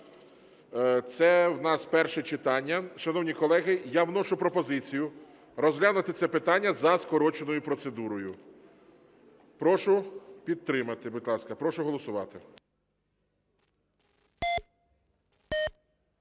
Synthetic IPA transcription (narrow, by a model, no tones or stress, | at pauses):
t̪sɛwnɑspɛrʃɛt͡ʃɪt̪ɑnʲːɐʃɐnɔwnʲikɔlˠɛɦɪjawnɔʃʊpɾɔpɔzɪt͡sʲijʊ | ɾɔzɦlʲanʊt̪ɪt̪sɛpɪt̪ɑnʲːɐzɐskɔɾɔt͡ʃenɔjʊpɾɔt̪sed̪uɾɔjʊ | pɾɔʃʊpʲid̪̚t̪ːɾɪmɐt̪ɪbʊd̪ʲlˠɑskɐpɾɔʃʊɦɔlˠɔsʊʋɑt̪ɪ